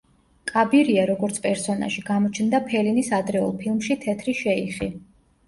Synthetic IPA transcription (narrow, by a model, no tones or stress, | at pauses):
kʼabiɾiaɾɔɡɔɾt̪sʰpʼɛɾsɔna̰ʃiɡamɔt͡ʃʰnd̪apʰɛlinisad̪ɾɛɔ̰lˠpʰilˠmʃit̪ʰɛt̪ʰɾiʃɛiχḭ